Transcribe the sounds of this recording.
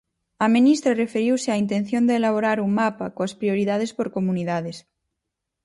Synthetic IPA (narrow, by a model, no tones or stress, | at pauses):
aminist̪ɾarefeɾiwseaint̪en̟θjond̪eːlaβ̞oɾaɾuŋmapakoaspɾioɾiðað̞espoɾkomuniðaðes